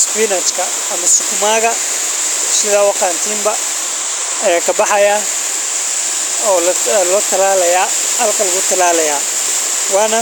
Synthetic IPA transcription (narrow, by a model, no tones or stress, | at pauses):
spiːnɐt͡ʃkʰɐːmɐsɪkʰʊmaːɣɐ | sɪðaːwɑqɑːnt̪ʰiːmbɐ | ɐjaːkʰɐbɑħɑja | ɔːlɔːt̪ʰɐlaːlɐjaː | hɐlkʰɐlɐɣʊt̪ʰɐlaːlɐjaː | wɑːnɐ